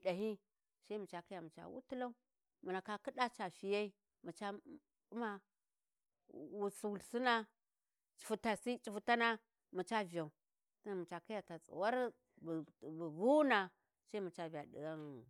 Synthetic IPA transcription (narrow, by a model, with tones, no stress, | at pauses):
ɗa˨ɦi˦ | sa˦i˦mu˨t͡ʃa˨kja˨mu˨t͡ʃa̰˨wṵ˦tu˦la˦u˦ | mu˨na˨ka˨ki˦da˦t͡ʃa˨ʃi˨ja˦i˦ | mu˨t͡ʃa˦ | u˦ma˦˨ | wu˨su˨wu˨lsi˦na˦ | t͡ʃi̥˨fu˨ta˨si˦t͡ʃi˨fu˨ta˦na˦ | mu˨t͡ʃa˦vi˨ja˨u˨ | ta˦˨mu˨t͡ʃa˨ki˦ja˨ta˨t͡sʼṵ˨wa˦ɾ | bu˨vu˦na˨ | sa˦i˦mu˨t͡ʃa˦vi˨a˨dḭ˨ɡa˦n